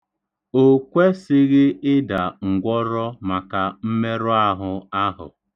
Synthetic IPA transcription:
o˨kʷe˦sɪ˦ɣɪ˦ɪ˦da˨ŋ̩˨ɡʷɔ˦ɾɔ˦ma˨ka˨m̩˦me˦ɾʊ˦a˦ɦʊ˨a˦ɦʊ̰˨

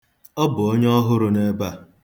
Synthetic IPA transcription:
ɔ˦bʊ˨o˦ɲ˦ɔ˦ɦʊ˦ɾʊ˨ne˦ba˦˨

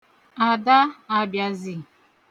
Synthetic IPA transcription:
a˨da˦a˨bja˨zi˨

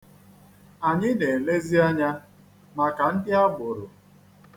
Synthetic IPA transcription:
a˨ɲɪ˦ne˨le˦zi˦a˦ɲa˦ | ma˨ka˨n̩˦dɪ˦a˦bʊ˨ɾʊ˨

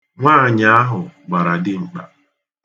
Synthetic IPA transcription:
ŋʷaː˦˨ɲa˦a˦ɦʊ˨ɡ͡ba˨ɾa˨dɪ˦ŋ͡m̩˨k͡pa̰˨

